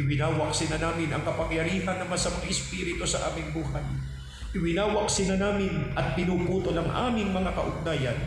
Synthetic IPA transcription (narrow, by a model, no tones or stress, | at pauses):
ɪwɪnaːwak̚sɪnanaːmɪnɐŋkɐpɐŋjɐɾiːɦɐnːɐmansɐmɐŋaʔɪspiːɾɪt̪osɐʔa̰ːmɪŋbuːhaj | ʔɪwɪnaːwɐk̚sɪnanaːmɪnʔɐt̪̚pɪnupuːt̪olɐŋʔa̰ːmɪŋmɐŋakɐ̰ʔʊɡ̚naːjan